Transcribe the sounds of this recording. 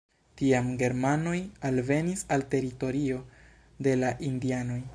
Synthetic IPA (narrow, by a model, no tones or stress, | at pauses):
tiamɡe̞ɾmano̞jalve̞nisalte̞ɾito̞ɾio̞ | de̞laʔindiano̞j